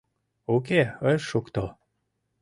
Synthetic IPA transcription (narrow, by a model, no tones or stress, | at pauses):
uk̬eəjʃukt̪o